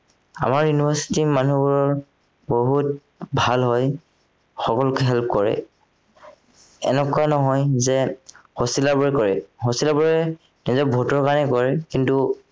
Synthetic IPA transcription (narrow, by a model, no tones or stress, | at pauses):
a̰maɹjunibʱasi̥timanubuɹɔɹ | boɦut̚ | bʱalɦɔj | xɔkɔlʊkɛɦɛlp̚kɔɹɛ̰ | ɛ̰nɛkuanɔɦɔjzɛhosilaɹbɔɹɛkɔɹɛhosilabɔɹɛ | nizɔbʱɔtɔɹkanɛkɔɹɛkintu